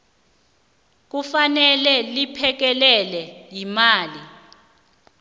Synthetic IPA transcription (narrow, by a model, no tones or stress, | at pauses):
k̬ufanɛlɛlipʰɛk̬ɛlɛlɛjimaːli